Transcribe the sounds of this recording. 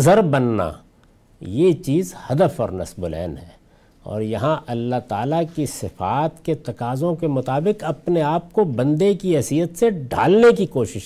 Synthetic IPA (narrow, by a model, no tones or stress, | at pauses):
zəɾbɐnːa̰ | jet͡ʃiːzhɐd̪əfɔ̰ːɾnɐ̰sbʊlɛ̰ːnɦɛ̰ː | ɔ̰ːɾjɐɦãʔɐlːaɦt̪aːlakisɪfaːt̪ket̪ɐkaːzõkemʊt̪aːbɪqɐpneaːp̚kobɐ̃nd̪ekiɦɛːsijət̪seɖa̰ːlnekikoːʃɪʃ